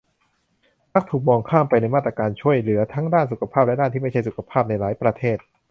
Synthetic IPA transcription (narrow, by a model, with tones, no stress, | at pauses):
na˦˥k̚t̪ʰuː˨˩k̚mɔː˧ŋkʰaː˥˩mpa˧jna˧jmaː˥˩t̪ɾaː˧kaː˧nt͡ɕʰu˥˩əjlɯ˩˦ɐt̪ʰa˦˥ŋdaː˥˩nsu˨˩kʰa˧pʰaː˥˩p̚lɛ˦˥daː˥˩nt̪iː˥˩ma˥˩t͡ɕʰa˥˩jsu˨˩kʰa˧pʰaː˥˩p̚na˧jlaː˩˦jpɾa˧t̪ʰeː˥˩t̪̚